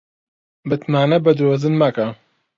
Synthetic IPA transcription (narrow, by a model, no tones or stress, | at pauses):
bɨt̪naːnɐbɐd̪ozɨnmɐkɐ